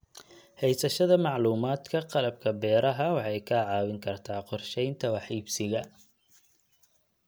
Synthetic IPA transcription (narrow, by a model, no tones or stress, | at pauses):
hɛjsɐʃɐðɐmɑʕluːmaːd̪kʰɐqɑlɐb̚kʰɐbɛːɾɐɦɐwɑħɑjkʰɐʕɑːwɪŋkʰɐrt̪ʰaːqɔrʃɛjnt̪ʰɐwɑħiːbsɪɣɐ